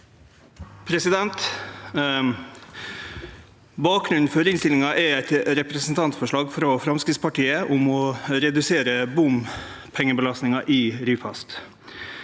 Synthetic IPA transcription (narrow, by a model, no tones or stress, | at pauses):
pʰɾɛsɪd̪ɛnt̪ | bɑːk̚ɡɾʉnn̩fɔɾɪnst̪ɪlɪŋɑʔɛæɪt̪ɾɛpɾɛsn̩t̪ʰɑnt̪sfɔʂɭɑːɡfɾɔfɾɑmskɾɪtspɑʈiːəʔʊmɔɾɛd̪ʉseːɾəbʊm | pʰɛŋːəbəlɑst̪nɪŋɑʔɪɾyːfɑst̪